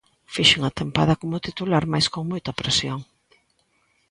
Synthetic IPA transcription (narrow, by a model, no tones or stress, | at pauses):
fiʃeŋat̪empaðɐkomʊt̪it̪ulaɾmajskoŋmojt̪ɐpɾesjoŋ